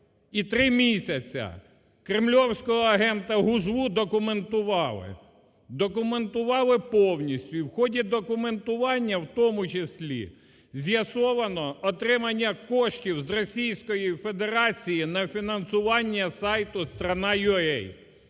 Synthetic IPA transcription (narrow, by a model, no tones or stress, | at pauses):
it̪ɾɪmʲisʲɐt͡sʲɐ̰ | kɾɪmlʲɔwsʲkɔɦɔɐɦɛnt̪ɐɦʊʒʋud̪ɔkʊment̪ʊʋɑlˠɪ̰ | d̪ɔkʊment̪ʊʋɑlˠɪpɔwnʲisʲtʲʊiwxɔdʲid̪ɔkʊme̞nt̪ʊʋɑnʲːɐwt̪ɔmʊt͡ʃesʲlʲḭ | zʲjɐsɔʋɐnɔɔt̪ɾɪmɐnʲːɐkɔʃtʲiwzrɔsʲijsʲkɔjifed̪eɾɑt͡sʲijinɐfʲinɐnsʊʋɑnʲːɐsɑjt̪ʊst̪ɾɐnɑjʊɛj